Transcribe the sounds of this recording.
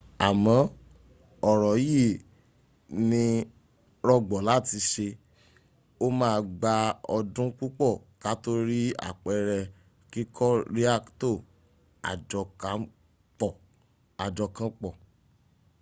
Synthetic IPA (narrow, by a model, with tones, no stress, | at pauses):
a˨mɔ̃˨˦ | ɔ˦˨ɾɔ˨ji˦˨ | nĩ˧ | ɾɔ˧ɡ͡bɔ˨la˨˦˨ti˧˦ʃe˧ | o˦mãː˦˧ɡ͡ba˧ɔ˧dũ˦k͡pu˦k͡pɔ˦˨ka˨˦to˦ɾi˦a̰˦˨k͡pɛ˨˧ɾɛ˧ | ki˦kʰɔ˦ɾi˦a˦˨kto˦˨ | a̰˨d͡ʒɔ˧ka˨˦ | k͡pɔ˨ | a˨d͡ʒɔ˧kã˦k͡pɔ˦˨